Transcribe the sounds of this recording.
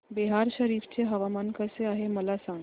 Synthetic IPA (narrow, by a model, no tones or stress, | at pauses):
beɦaɾɕəɾiːft͡ɕeɦəʋamankəseaɦeməlasaŋ